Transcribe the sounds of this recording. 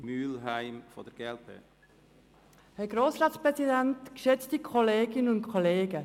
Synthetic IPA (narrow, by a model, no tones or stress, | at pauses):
myːlɦaɪmfod̥ɛɾɡ̥ɛlpə̰ | hɛɡ̥ɾoːsɾɑːtspɾɛsidɛntkʃɛt͡stikʰɔleːɡɪnənʊntkʰoleːɡə